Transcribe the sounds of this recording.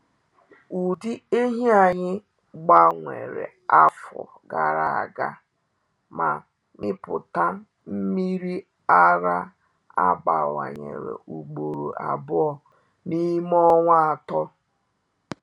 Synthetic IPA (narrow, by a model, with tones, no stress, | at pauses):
u˨di˦e˦ɦi˦a˨ɲɪ˦ | ɡ͡ba˨ŋʷe˨ɾḛ˨ | a˦fɔ̰˨ | ɡa˨ɾa˨a˨ɡa˦ | ma˨ | mɪ˦pʊ˨ta˦ | m̩˦mi˦ɾi˦ | a˦ɾa˦ | a˦ba˨wa˨ɲe˨ɾḛ˨ʔu˨ɡ͡bo˨ɾo˨a˨bʊ˦ɔ˨ | ni˦mɔ˦ŋʷ˦a˨tɔ˦